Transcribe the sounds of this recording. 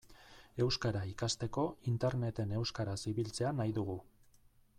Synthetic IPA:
e̞wskaɾaikast̪e̞ko̞int̪eɾne̞t̪e̞ne̞wskaɾasiβilt͡se̞anajðuɣu

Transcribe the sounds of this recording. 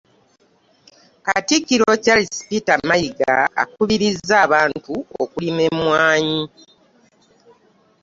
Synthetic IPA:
katikːiɾo̞calisi̥pitamajiɡa̰ːkuβiɾizːaːβaːntuo̰kulime̞mwaːɲi

